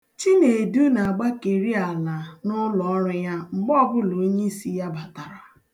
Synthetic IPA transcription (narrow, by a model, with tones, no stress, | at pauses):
t͡ʃi˦ne˨du˦na˨a˨ɡ͡ba˦ke˨ɾi˦a˨la˨nʊ˦lɔ˨ɔ˦ɾʊ˦ja˦ŋ͡m̩˨ɡ͡bɔ˦bʊ˦lo˨˦ɲe˦i˦si˦ja˦ba˨ta˨ɾa˨